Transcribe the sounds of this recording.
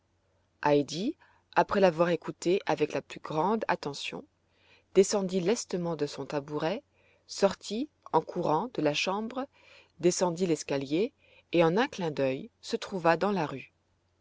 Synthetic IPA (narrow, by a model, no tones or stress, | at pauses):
ʔajd̪i | apχɛlavwaʁekut̪eʔavɛklaplyɡʁɑ̃d̪a̰t̪ɑ̃sjɔ̰̃ | d̪̥esɑ̃d̪ilɛst̪əmɑ̃d̪əsɔ̃t̪abuʁɛ | sɔʁt̪ʰi | ɑ̃kʰuʁɑ̃d̪əlaʃɑ̃bʁ | d̪esɑ̃d̪ilɛskaljeː | ɑ̃nɛ̃klɛ̃d̪œjsət̪χuvad̪ɑ̃laʁy